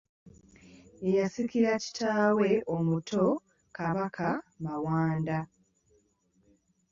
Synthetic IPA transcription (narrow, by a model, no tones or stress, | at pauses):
ejasikiɾaci̥tʰaːwe̞omutʰo̞ | kaβakʰamawaːnda